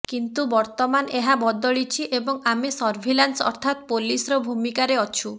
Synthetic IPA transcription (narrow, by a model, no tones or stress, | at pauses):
kint̪ubɔɾt̪ɔmaneɦabɔd̪ɔɭit͡ʃʰiʔebɔŋamisɔɾbʱilansɔ̰ɾt̪ʰat̪̚polisɾɔbʱumikaɾeɔt͡ʃʰu